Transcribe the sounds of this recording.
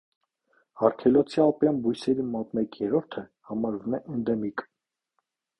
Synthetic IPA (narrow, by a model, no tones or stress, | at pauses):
ɑɾkʰɛlɔt͡sʰiɑpjɑnbujsɛɾimɔt̪mɛkjɛɾɔɾt̪ʰəhɑmɑɾvumɛʔɛnd̪ɛmik